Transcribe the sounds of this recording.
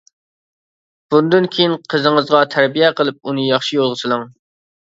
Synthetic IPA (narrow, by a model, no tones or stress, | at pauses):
b̥und̪ynkʲʰejinqʰəzəŋəzʁɑt̪ʰæɾbijɛqʰəlˠɨp̚unɨjɑχʃijolˠʁəsʰɨlˠɨŋ